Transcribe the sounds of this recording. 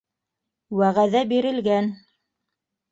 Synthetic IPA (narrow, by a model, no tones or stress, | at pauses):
wæʁæðæbiɾɘ̆lɡæn